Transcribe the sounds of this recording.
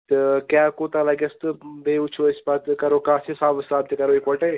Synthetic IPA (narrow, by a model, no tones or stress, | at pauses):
t̪əkjaːkoːt̪ãːlɐɡɐst̪ɨbeːʊt͡ʃʰoɪspaːt̪kɐɾoːkãːsesaːbsaːb̚t̪ekɐɾoːekʋɐʈe